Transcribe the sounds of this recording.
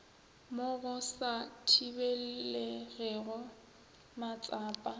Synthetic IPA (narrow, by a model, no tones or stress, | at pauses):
moɣʊsatʰibeleɣɛɣɔ | mat͡sʼaːpʼa